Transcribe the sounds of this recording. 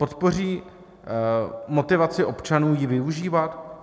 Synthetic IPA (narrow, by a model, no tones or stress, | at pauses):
po̞t̪po̞r̝iː | mo̞t̪ɪvat͡sɪʔo̞pt͡ʃanuːjɪvɪuʒiːvat̪